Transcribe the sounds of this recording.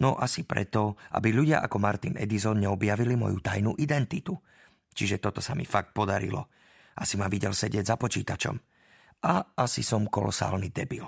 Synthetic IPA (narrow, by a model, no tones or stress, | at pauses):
nɔ̰ʔasipɾɛ̰t̪ɔʔa̰biʎuɟɪa̰ʔakɔmaɾt̪inɛ̰d̪izɔnɲɛɔbjaʋilimɔ̰jut̪ajnuʔid̪ɛnt̪it̪u | t͡ʃiʒɛt̪ɔt̪ɔsamḭfak̚t̪̚pɔd̪aɾḭlɔ | ʔa̰simaʋiɟɛlsɛɟɪɛɟzapɔt͡ʃiːt̪at͡ʃɔ̰m | ʔaʔasisɔmkɔlɔ̰sa̰ːlnid̪ɛbil